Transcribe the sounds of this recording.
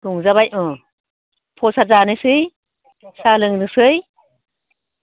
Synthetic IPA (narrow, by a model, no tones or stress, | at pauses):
kuŋzabajʔɔ | pʰosazanɯsɯj | salɯŋnɯsɯj